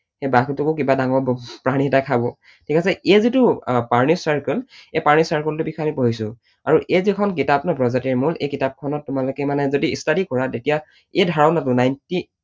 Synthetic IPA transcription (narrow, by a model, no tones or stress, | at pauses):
xebakʰutukʊkibadaŋɔɹpɹaniɦɛtakʰabɔ | tʰikasɛezitʊpaɹnisaɹkɔlepaɹnisaɹkɔltʊbikʰamipoɦisʊ | aɹuʔezikʰɔnk̬itapnɔpɹɔzatiɹmulejkitap̚kʰɔnɔtːʊmalʊkɛmanɛzodiːstadikɔɹatetija | edʱaɹɔnatʊnajnti